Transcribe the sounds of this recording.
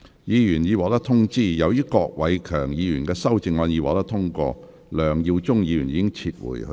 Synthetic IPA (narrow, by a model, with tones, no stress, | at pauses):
jiː˨˧jyː˨˩njiː˨˧wɔː˨˧˥t̪ɐ˥k̚t̪ʰʊ˥ŋt͡siː˥˩jɐ˨˧wjiː˥kɔː˧k̚wɐ˨˧jkʰœː˨˩ŋjiː˨˧jyː˨˩nkɛː˧sɐ˥wt͡sɪ˧ŋɔː˧njiː˨˧wɔː˨˥t̪ɐ˥t̪ʰʊ˥ŋkɔ̰ː˧ | lœː˨˩ŋji˧wt͡sʊ˥ŋjiː˨˧jy˨˩niː˧˥kɪ˥ŋt͡sʰiː˧t̚wṵ˨˩jhɵ̰˧